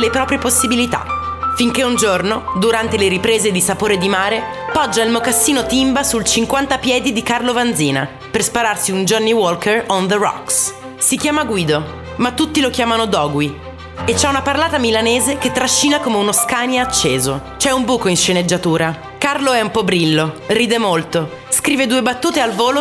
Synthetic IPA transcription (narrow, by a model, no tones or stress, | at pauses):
lepɾɔːpɾjeposːibilit̪a̰ | fiŋkeund͡ʒornod̪uɾant̪eleɾipɾeːzed̪isapoːɾed̪imaːɾe | pɔd͡ʒːailmokasːiːnot̪imbasult͡ʃiŋkwant̪apjɛːd̪id̪ikarlovand̪ziːna̰ | perspaɾarsiund͡ʒɔnːiwɔlkʰerond̪ərɔ̰ks | sik̟jaːmaɡwiːd̪o | mat̪ːut̪ːilokjaːmanod̪ɔːɡwi | et͡ʃːɛunaparlaːt̪amilaneːzeket̪ːɾaʃːiːnakomeunoskaːnjaat͡ʃːeːzot͡ʃɛumbuːkoinʃened͡ʒːat̪uːɾa | karloɛumpɔbɾilːoriːd̪emolt̪o | skɾiːved̪uːebat̪ːuːt̪ealvoːlo